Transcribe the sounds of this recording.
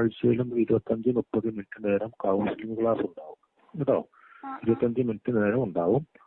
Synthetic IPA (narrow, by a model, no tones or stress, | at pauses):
ɐɻt͡ɕːɐjilumiɾubɐt̪ːɐɲd͡ʑɨmupːɐðɨminʈːɨne̞ːɾɐmkawsilimɨkɭaːsuɳɖaːʋum | iðo̰ː | iɾubɐt̪ːɐɲd͡ʑɨminʈːɨne̞ːɾɐmuɳɖaːʋum